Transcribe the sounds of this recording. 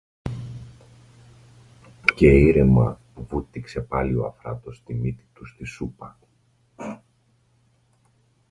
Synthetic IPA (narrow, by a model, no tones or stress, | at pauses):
ce̞iɾemɐ | vut̪ːikse̞pɐlio̞̰ɐ̰fɾɐ̰t̪o̞st̪imit̪i̥t̪ust̪isupɐ